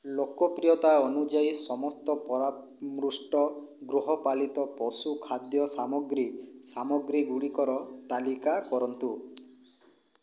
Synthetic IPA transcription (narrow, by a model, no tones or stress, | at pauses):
lokɔpɾijɔt̪aɔnud͡ʒaisɔmɔst̪ɔpɔɾa | mɾusʈɔɡɾuɦɔpalit̪ɔpɔsukʰad̪jɔsamɔɡɾisamɔɡɾiɡuɽikɔɾɔt̪alikakɔɾɔnt̪u